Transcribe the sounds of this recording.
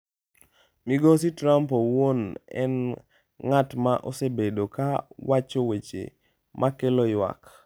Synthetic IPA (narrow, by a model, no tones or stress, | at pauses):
miɡos̬itɾampɔwonɛ̰n | ŋatmaʔɔsebedokawat͡ʃowet͡ʃḛ | mʔakelɔjwa̰k